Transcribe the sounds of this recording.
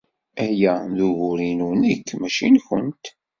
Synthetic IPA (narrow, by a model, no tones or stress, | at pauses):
æjæðuʝʊɾinunəkːmæʃinçənt̪